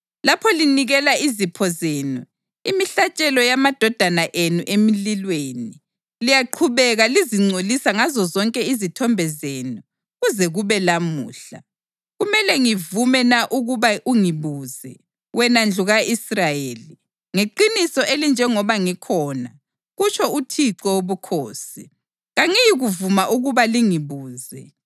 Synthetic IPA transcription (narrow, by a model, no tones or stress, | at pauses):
lapʰɔliniɣɛlaizipʰɔzeːnu | imiɬat͡ʃʼɛlɔjamad̥ʱɔd̥ʱanaʔenuʔemililweːni | lijaǃʰuβɛɣaliziŋ͡ǀʱolisaŋazɔzɔŋkʼɛizitʰɔmbʱɛzenu | ɣuzɛɣuβɛlamṵːɬa | ɣumɛlɛŋivumɛnaʔuɣuβaʔuŋiβuːzɛ̰ | wɛnand͡ɮʱuɣaʔisrajeːli | ŋeǃinisɔʔelind͡ʒʱɛŋɔβaŋikʰɔːna̰ | ɣut͡ʃʰɔutʰiǀɔwoβukʰoːsi | ɣaŋijiɣuvumaʔuɣuβaliŋiβuːzɛ